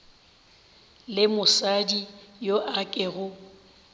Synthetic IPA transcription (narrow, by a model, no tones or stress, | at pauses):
lɪmʊsadijoʔakʼɪɣʊ